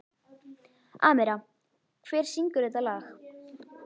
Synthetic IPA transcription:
aːmɛɾa | kʰv̥ɛːɾ̥siŋkʏɾɛt̪alaːx

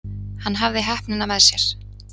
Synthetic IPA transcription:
hanːɦavðɪɦɛhpnɪnamɛðsjɛɾ̥

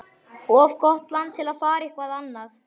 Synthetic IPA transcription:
ɔvkɔht̪lant̪ʰɪlaðfaːɾihkvaðanːaθ

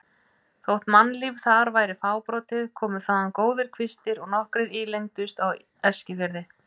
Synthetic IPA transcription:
θowht̪manːliv̥θaɾvaːjɾɪfaːwpɾɔːt̪ɪðkʰɔːmʏθaðankoːwðɪɾ̥kʰvɪst̪ɪɾɔɣnɔhkɾɪɾiːlejŋt̪ʏst̪aw | ɛscɪvɪɾðɪ

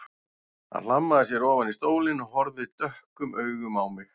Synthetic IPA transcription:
a̰nl̥amːaðɪsjɛɾɔːvanist̪oːwlɪnɔɦɔɾðɪt̪œhkʏmʔœɥɣʏmawmɪx

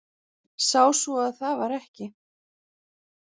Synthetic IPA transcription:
saːwsvɔaðθavaɾɛhcɪ

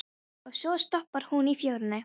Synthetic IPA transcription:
ɔsoːst̪ɔpːəɾhunifjoɾnə

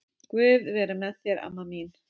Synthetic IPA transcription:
kvʏðvɛɾʏnɛθjɛɾa̰mːamin

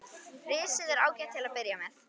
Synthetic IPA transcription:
rɪːsɪðɛɾaːwcat̪ʰːɪlaðpɪɾjamɛθ

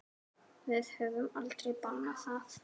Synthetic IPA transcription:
vɪðhœːvʏmalt̪ɾejpanaθaf

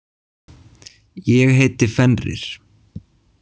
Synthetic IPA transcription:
jɛɣɦeːjt̪ɪfɛnrɪ̰ɾ̥

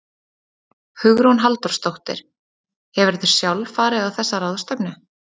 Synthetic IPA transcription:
hʏɣɾownɦalt̪ɔrst̪owht̪ɪ̰ɾ̥ | hɛvɪɾθʏɾ̥sjawlfaːɾɪðawθɛsːaɾaːwðɔst̪œpnʏ

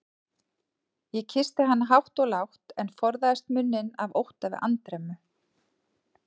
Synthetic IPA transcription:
jɛcʰɪst̪ɪɦanːaɦawht̪ɔɣlawht̪ɛnfɔɾðaðɪst̪mʏnːɪnavowht̪avɪ̰a̰nt̪ɾɛmʏ

